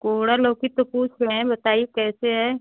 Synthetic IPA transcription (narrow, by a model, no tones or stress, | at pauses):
koːɽaloːkit̪opuːt͡ʃʰlɛẽbɐt̪aːiekɛːseɦɛː